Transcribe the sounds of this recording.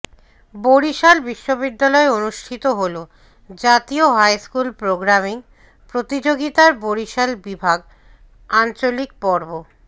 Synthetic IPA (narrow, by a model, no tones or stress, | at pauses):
boɾiʃalbiʃːobid̪ːalɔeonuʃʈʰit̪oɦolo | d͡ʑat̪ioɦajskulpɾoɡɾamiŋ | pɾot̪id͡ʑoɡit̪aɾboɾiʃalbibʱaɡ | ant͡ɕolik̚pɔɾbo